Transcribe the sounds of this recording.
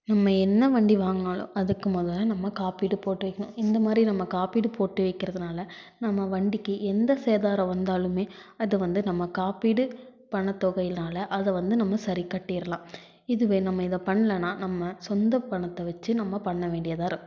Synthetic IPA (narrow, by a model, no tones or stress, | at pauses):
nɐmːɐɛnːɐʋɐɳɖiʋaːŋɡɐaːlʊ̰̃ɐðɯkːɯmoːðɐlːɐnɐmːɐkaːpiːɽɯpoːʈːɯʋɐɪkːɐɳʊ̰̃ɪnd̪ɐmaːd̪ɾinɐmːɐkaːpiːɽɯpoːʈːɯʋɐɪkːɪɾɐðɯnaːlɐ | nɐmːɐʋɐɳɖɪkːɯʔɛnd̪ɐseːðaːɾɐ̃ʋɐnd̪aːlɯmeːɐðɯʋɐnd̪ɯnɐmːɐkaːpiːɽɯ | pɐɳɐt̪ːɔɣɐjɪlnaːlɐʔɐðɐʋɐnd̪ɯnɐmːɐsɐɾikɐʈːɪjɪɾɐlãː | ɪðɯʋeːnɐmːɐɪðɐpɐɳːɐlɐnaːnɐmːɐsɔnd̪ɐpːɐɳɐt̪ːɐʋɐt͡ʃːɯnɐmːɐpɐɳːɐʋeːɳɖɪjɐðaːɪɾɯkː